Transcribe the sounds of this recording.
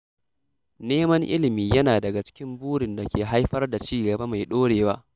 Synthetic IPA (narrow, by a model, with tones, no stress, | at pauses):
neː˦mɐ˦ŋʔɪ̰˦lɪ˨miː˨jɐ˦naː˨dɐ˨ɡa˨t͡ʃɪ̥˦kʲɪ˦mbuː˦ɽɪ˨nda˨kʲeː˨ɦa˦jɸɐ˦rda˨t͡ʃiː˦ɡɐ˨ba˦ma˨jɗoː˦ɽeː˨waː˦ʔ